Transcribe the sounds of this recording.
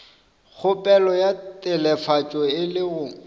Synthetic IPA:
k͡xʰʊpʼɛlɔjatʼɛlɛfat͡ʃʼɔɪlɪɣʊ

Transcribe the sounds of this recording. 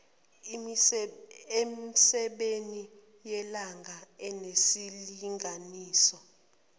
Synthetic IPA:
emsɛɓeni | jɛlaŋʱaɛnesiliŋʱaniːsɔ

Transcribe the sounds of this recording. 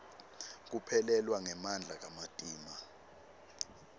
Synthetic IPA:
k̬upʰɛlɛlwaŋɛmand͡ɮʱak̬amatʼiːma

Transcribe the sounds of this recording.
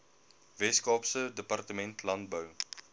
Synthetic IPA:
vɛskɑːpsədəpɐrtəmɛntlɐnt̚bəw

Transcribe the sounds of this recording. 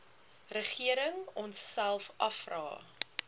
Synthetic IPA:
rəχiəɾəŋɔnsːælˠfʔɐfrɑ̰ː

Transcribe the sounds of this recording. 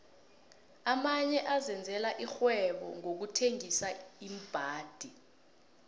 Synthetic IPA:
amaɲɛʔazɛnd͡zʱɛlaʔixwɛɓɔ̰ŋok̬utʰeŋisaim̩b̥ʱaːd̥ʱi

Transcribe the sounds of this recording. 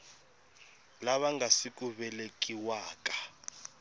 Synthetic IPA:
laβaŋɡasik̬ʼuβɛlek̬ʼiwaːk̬ʼḁ

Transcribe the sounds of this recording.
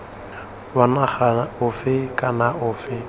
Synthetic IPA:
banaχaʊfɪkʼanaʔʊːfɪ

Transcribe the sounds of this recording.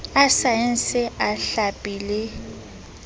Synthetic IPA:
asaɪn̩sɪaɬapʼiːlɪ

